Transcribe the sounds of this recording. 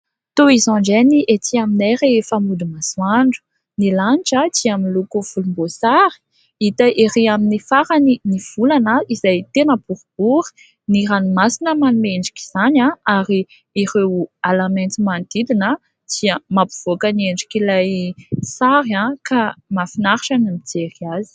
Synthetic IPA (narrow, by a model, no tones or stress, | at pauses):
t̪oizɔ̃ɳɖ͡ʐeniʔet̪iamineɾefamud̪imaswaɳɖ͡ʐu̥ | nilaniʈ͡ʂəd͡ʒiaminlukuv̥ulumbosaɾi̥ | it̪əʔeɾiaminifaɾaniniv̥ulanəizajt̪enəbuɾb̥uɾi̥ | niɾanimasinəmanumeɳɖ͡ʐi̥kʲi̥z̥anãaɾi | irewalament͡simand̪̥id̪inə | d͡ʒiəmapuv̥okənieɳɖ͡ʐikilajsaɾãkʰamafinaɾiʈ͡ʂanimid͡zeɾiazi̥